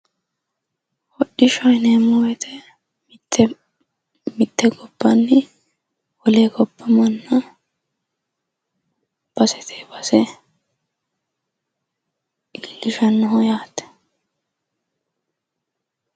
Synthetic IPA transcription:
wɔɗɪʃɔjneːmɔwɛt̪ʰɛ | t̪ʰːɛ | mɪt̪ːɛɡɔbːɐnːɪ | wɔleːɡɔbːɐmɐnːɐ | b̥ɐsɛt̪ʰeːbɐsɛ | ɡɪlːɪʃɐnːɔɦɔjaːt̪ɛ̥

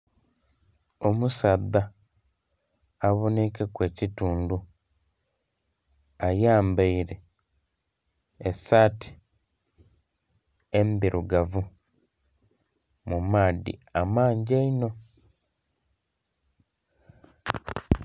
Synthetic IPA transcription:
o̞musaðːa | βonikekwe̞ːcituːndu | ajaːmbaiɾe̞ | esaːtʰi̥ | embiɾuɡavu | mumaːdḭamaːɲɟeino̞

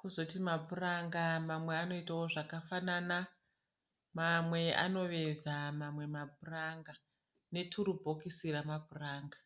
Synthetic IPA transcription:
kuzotimabʱuraŋɡamamwe̞ano̞itawoʐakafanana | mamwe̞a̰no̞ʋe̞zamamwe̞mabʱuraŋɡa | ne̞tʰuɾubʱokisiɾamabʱuraːŋɡa

